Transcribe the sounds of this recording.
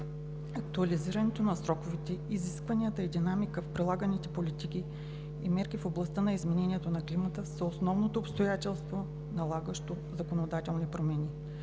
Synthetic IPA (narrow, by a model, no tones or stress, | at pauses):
ɐk̚t̪uɐliziɾɐnɛt̪onɐsɾɔkovit̪ɛiziskvɐnijət̪əid̪inamikəfpɾilˠaɡənit̪ɛ̥polit̪ikʲiː | mɛɾkʲifoblˠɐst̪anɐizmɛnɛnʲiɛt̪onɐklimət̪əsəosnɔvnot̪oːpst̪ojat̪ɛlˠst̪vo | nɐlˠaɡəʃt̪o | zɐkonod̪at̪ɛlˠnipɾomɛnʲi